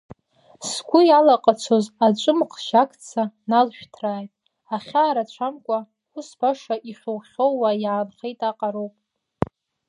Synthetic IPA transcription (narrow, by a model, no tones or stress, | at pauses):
sɡʷʊjalaqʼat͡sʷʰo̞zat͡ʃʷʼɨmqʰʃakʰt͡sʰanalʃᶣtʰraːjtʼ | aχʲaːɾat͡ʃʷʰamkʷʼa | usbaʂaʔiχʲʊwχʲowwajaːnχejtʼaqʼaɾowpʼ